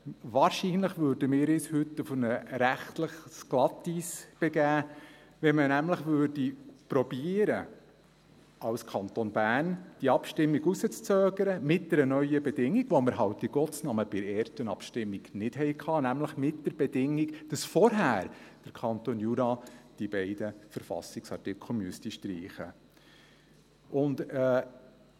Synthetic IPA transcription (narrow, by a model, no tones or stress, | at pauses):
ʋɑːɾʃinləχʋøːɾdəmɪːɾɪshɵt̪ːufnəɾæχtləχsklɑt̪isb̥ɛɡæː | ʋɛmənæmləχʋøːrdipɾɔb̥iəɾə | ɑwskʰɑnt̪onbæːnd̥iːɑpʃtɪmːiɡusət͡st͡søːɡəɾəmɪt̚d̥ɛɾənœʏəbɛdɪŋːiɡ̥ʋoməɾɦɑwt̚d̥iɡ̥ɔt͡snɑməb̥ɪɾeːtənɑpʃtɪmːiɡ̥nɪd̥ɦɛjkʰɑːnæmləχmɪt̚d̥əɾb̥ɛdɪŋːikd̥ɑsfɔɾɦæːɾd̥əɾkʰɑnt̪oːnjuɾɑːd̥ibɛɪd̥əfəɾfɑ̰sɪksɑtɪkʰl̩myəstiʃtɾiːχə̰ | ʔʊndɛː